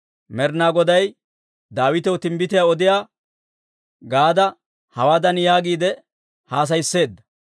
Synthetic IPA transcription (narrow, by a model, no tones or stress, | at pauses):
mɛɾnaːɡɔd̪ɐj | d̪aːwɪt̪ɛwt̪ɪmbɪt̪ɪjaːɔd̪ɪjaː | ɡaːd̪ɐ | hɐwaːd̪ɐnjaːɡiːd̪ɛ | haːs̬ɐjsːe̞ːd̪ːɐ̥